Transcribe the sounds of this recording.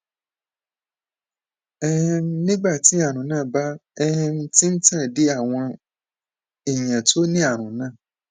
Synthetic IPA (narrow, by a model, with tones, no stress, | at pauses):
ɛ˦h̩˧˦nĩ˦ɡ͡ba˦˨ti˨˦a˦˨ɾ̃ũ˨˦nãː˦˨ba˦ɛ˦hɛ̃˧n̩˦ti˦n̩˦tã˦˨de˨˦a˦˨w̃ɔ̃˧ | i˨j̃ɛ̃˨to˦nĩ˦a˦˨ɾ̃ũ˨˦nãː˦˨